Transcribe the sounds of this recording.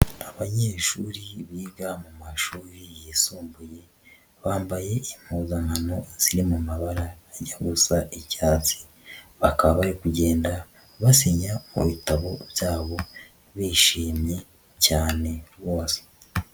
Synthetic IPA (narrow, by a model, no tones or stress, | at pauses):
aβaɲeːʃuːɾiβiːɡamumaʃuːɾijesuːmbuje̞ | βaːmbaje̞im̥huːzaŋano̞z̥iɾimumaβaɾaːɟaɡusaʔecaːt͡si̥ | βakaβajekuɟe̞ːnda | βasiɲamṵβitaβo̞βjaːβo̞ | βiʃiːmɲe̞ | caːne̞βoːse̥